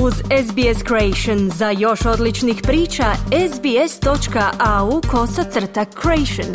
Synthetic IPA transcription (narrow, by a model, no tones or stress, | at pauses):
uzezbieskɾoejʃonzajo̞ʃo̞d̪lit͡ʃnixpɾiːt͡ʃaezbiest̪o̞t͡ʃkaʔaukʰo̞sat̪sr̩t̪akʰːɾoejʃon